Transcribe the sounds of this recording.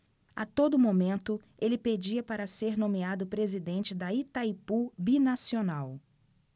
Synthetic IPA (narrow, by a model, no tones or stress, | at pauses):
at̪od̪ʊmomẽnt̪ʊ | elɪped͡ʒiɐpaɾɐseɾnõmiad̪ʊpɾezid̪ẽnt͡ʃɪd̪ɐit̪ajpubinasionaw